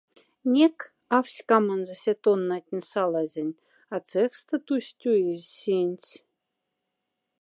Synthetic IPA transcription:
nʲek | ɑfsʲkɑmɑnzɤ̆sʲet̪onːɑt̪ʲnʲsɑlˠɑzʲĕnʲ | ɑt͡seχst̪ə̆t̪usʲt̪ʲuezʲsʲinʲt͡sʲ

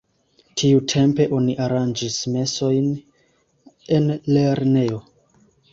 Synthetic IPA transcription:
tʰiutʰe̞mpe̞ʔo̞niʔaɾand͡ʒisme̞so̞jn | e̞nle̞ɾne̞o̞

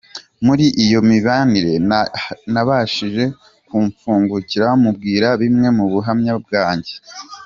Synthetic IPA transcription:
muɾiʔijo̞miβaːniɾe̞ | naβaʃiʒe̞ | kuɱfuːŋɡuciɾaamub̚ɡiːɾaβimŋe̞muβuɦamɲab̚ɡaːɲɟe̞

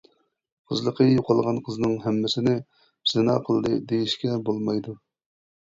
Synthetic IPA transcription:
qʰəzlˠəqʰəjoqʰɑlˠʁɑnqʰəznɨŋɦɛmːɪsɪnɪ | z̥ɪnɑ̰ːqʰəlˠd̪ɨd̪ejiʃkʲɛbolˠmɑjd̪u

